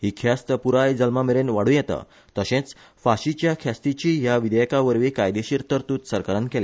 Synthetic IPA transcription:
ɦiːkʰast̪əpuɾajd͡zəlmameɾenʋaɽ̤ũjɛt̪a̰ | t̪əɕẽt͡s | faɕit͡ɕjakʰast̪it͡ɕiːɦjaʋid̪ɛjkaʋəɾʋikajd̪eɕiːɾt̪əɾt̪uːt̪səɾkəɾənkele

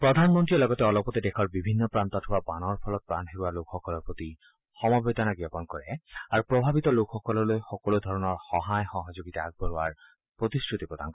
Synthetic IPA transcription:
pɹɔd̪ʱanmɔntɹilɔɡɔtɛɔlɔpɔt̪idekʰɔɹbibʱinːɔpɹant̪ɔtʰuwabanɔɹpʰɔlɔt̪̚pɹanɦebualokʰxɔkɔlɔɹpot̪i | xɔmɔbet̪ɔnaɡiɔpɔnkɔɹɛaɹupɹɔbʱabit̪ɔlokʰxɔkɔlɔɹlojxɔkɔlod̪ʱɔɹɔnɔɹxɔɦajxɔɦɔzoɡit̪aaɡ̚bɔɹuwaɹ | pɹot̪iskɹut̪ipɹɔd̪ʱa̰nkɔ

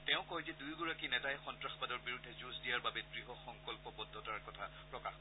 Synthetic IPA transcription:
tɛʊ̃kɔɦzɛdujɡɔɹakinɛtajxɔntɹaxbadɔɹbiɹudʱːɛzuzdijaɹbabɛdɹiɦɔxɔŋkɔlpɔbɔdʱːɔtaɹkɔtʰapɹɔkax

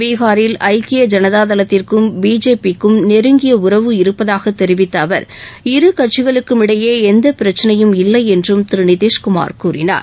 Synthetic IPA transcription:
ʋiːɣaːɾɪlɐɪkɪjɐd͡ʒɐnɐðaːðɐlɐt̪ːɪrkɯmbiːd͡ʒeːpikːɯmnɛɾɯŋɡɪjɐʊɾɐʋɯɪɾɯpːɐðaːɣɐt̪ːɛɾɪʋɪt̪ːɐːʋɐ̰ɾɪɾɯkɐʈ̚t͡ʃɪɣɐɭɯkːɯmɪɽɐjeːɛnd̪ɐpɪɾɐt͡ʃːɐnɐjɯmɪlːɐɪɛndrɯmt̪ɪɾɯɳɪðeːʂkʊma̰ːɾkuːɾɪna̰ːɾ

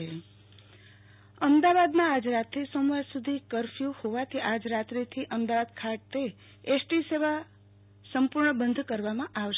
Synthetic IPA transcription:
e | əmd̪aʋad̪mãːd͡ʒɾat̪ɾisomʋaɾsud̪ʱikəɾfjuhoʋat̪ʰiʔad͡ʒɾat̪ɾit̪ʰiʔəmd̪aʋad̪kʰaʈt̪e | esʈiseʋa | səmpuɾɳəbənd̪ʱkəɾʋamãʔaʋ

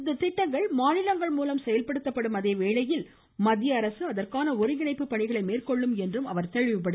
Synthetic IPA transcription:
ɪnd̪ɐt̪ɪʈːɐŋɡɐɭmaːnɪlɐŋɡɐɭmuːlɐmsɛjɐlpɐɽɯt̪ːɐpːɐɽɯmɐðeːʋeːɭɐjɪl | mɐd̪ɪjɐːɾɐsɯɐðɐrkaːnɐʊɾɪŋɡɪnɐɪpːɯpːɐɳɪɣɐɭɐɪmeːrkɔɭːɯmɛndrɯmɐʋɐɾt̪ɛɻɪʋɐpːɐɽɯ

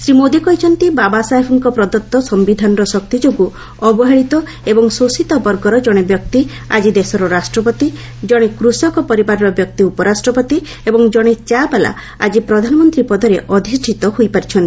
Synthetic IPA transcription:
sɾimod̪ikɔɦit͡ʃʰɔnt̪ibabasapʰɔŋkɔpɾɔd̪ɔt̪ːɔsɔmbid̪ʱanɔɾɔsɔk̚t̪id͡ʒoɡu | ɔbɔɦaɭit̪ɔ | ebɔŋsosit̪ɔbɔɾɡɔɾɔd͡ʒɔɽ̃ebjɔk̚t̪i | a̰d͡ʒid̪esɔɾɔɾasʈɾɔpɔt̪i | d͡ʒɔɽ̃ekɾusɔkɔpɔɾibaɾɔɾɔbjɔkt̪iupɔɾasʈɾɔpɔt̪i | ebɔŋd͡ʒɔɽ̃et͡ʃabela̰ | a̰d͡ʒipɾɔd̪ʱanɔmɔnt̪ɾipɔd̪ʱɔɾeʔɔd̪ʱisʈʰit̪ɔhojpaɾit͡ʃʰɔnt̪i̥

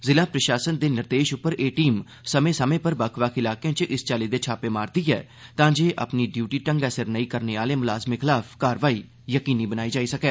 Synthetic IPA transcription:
zɪlãːpɾəʃaːsənd̪eːnɪɾd̪eːʃʊpːəɾeːʈiːm | səmẽːsəmẽːpəɾbəkʰʋaːkʰɪlaːkeãːt͡ʃʔɪst͡ʃaːliːd̪eːt͡ʃʰaːpeːmaːɾd̪iːɦɛ̰ː | t̪ãːd͡ʒeːʔə̰pniːɖjuːʈiːʈə̃ŋɡɛːsəɾnəĩːkəɾneːaːleːmʊlaːzmeːkʰɪlaːpʰkaːɾʋaːiː | jəkiːniːbənaːiːd͡ʒaːiːsəkɛː

